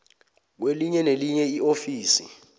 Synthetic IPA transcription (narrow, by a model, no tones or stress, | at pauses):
k̬weliɲɛneliɲɛiofiːsi